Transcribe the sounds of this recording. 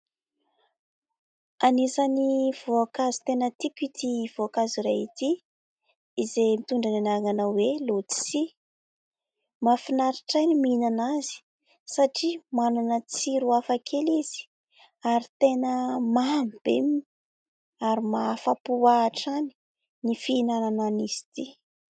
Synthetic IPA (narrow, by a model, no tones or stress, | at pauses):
anisaniv̥oakazi̥t̪enət̪ikʲit̪ivoakaziɾait̪iː | zemit̪uɳɖ͡ʐananaŋanawelot͡si̥si | mafinaɾiʈ͡ʂajniminanazi̥ | saʈ͡ʂimanunət͡siɾuafakʰeliz̥i̥ | aɾit̪enəmamb̥ḛmi | aɾimafapuaʈ͡ʂani̥ | nifinanananiz̥i̥t̪i